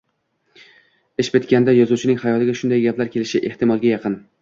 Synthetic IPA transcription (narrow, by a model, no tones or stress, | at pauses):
ɪʃbet̪kʲand̪ajɒzut͡ʃʰɪnɪŋhajɒt̪ɪɡʲaʃʊnd̪ajɡʲaplaɾkʲʰelɪʃɪʔeht̪ɪmɒlˠɡʲajɑqɨn